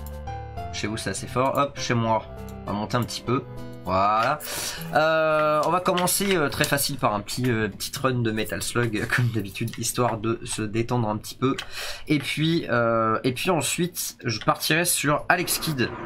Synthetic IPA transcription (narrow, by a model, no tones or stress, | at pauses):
ʃevusɛt̪asefɔʁʔɔp̚ʃemwa | ɔ̃va̰mɔ̃t̪eɛ̃pət̪ʰi̥pø | vwalaøɔ̃vakɔmɑ̃seøt̪χɛfasilpaʁɛ̃pə̥t̪ʰiø̃pət̪ʰi̥t̪χœnd̪əmet̪alslɔɡkʰɔmd̪abit̪ʰyd̪ist̪waʁd̪əsəd̪et̪ɑ̃d̪ʁɛ̃pə̥t̪ʰi̥pøepɥiøepɥiɑ̃sɥit̪ʒəpaʁt̪ʰiʁɛsyʁalɛkskʲid̪